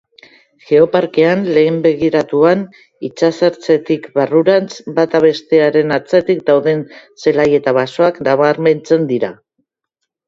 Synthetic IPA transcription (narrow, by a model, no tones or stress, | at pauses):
ʝe̞o̞paɾke̞anle̞ːmbe̞ɣiɾat̪uan | it͡sasaɾt͡se̞t̪ikbaruɾant͡sbat̪aβe̞st̪e̞aɾe̞nat͡set̪ik̚d̪awðe̞nse̞laje̞t̪aβaso̞aknaβaɾme̞nt͡se̞nd̪iɾa